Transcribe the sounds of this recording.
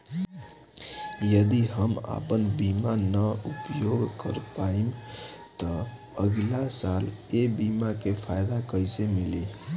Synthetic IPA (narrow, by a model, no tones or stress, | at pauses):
jəd̪iɦəma̰pənbimanəupjoɡkəɾpaimt̪ɔ | əɡlasalebimakepʰajd̪akəjsemili